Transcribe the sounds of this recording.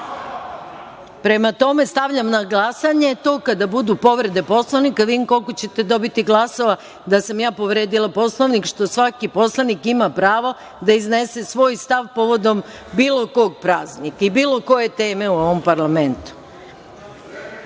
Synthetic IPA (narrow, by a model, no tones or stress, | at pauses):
pɾe̞mat̪o̞me̞st̪aʋʎamnaɡlˠasaɲe̞t̪o̞ːkad̪abud̪upo̞ʋɾe̞d̪e̞po̞slˠanikaʋiːmko̞lˠkot͡ɕe̞t̪e̞d̪o̞bit̪iɡlˠaso̞ʋa | d̪asamjaːpo̞ʋɾe̞ːd̪ilˠapo̞slˠoʋnikʃt̪o̞sʋakipo̞slˠanikimapɾaːʋo̞ | d̪aizne̞se̞sʋo̞ːjst̪aʋpo̞ʋo̞d̪o̞m | biːlˠo̞ko̞ɡ̚pɾaːznikaibiːlˠo̞ko̞je̞t̪e̞ːme̞uo̞ʋompaɾlame̞nt̪u̥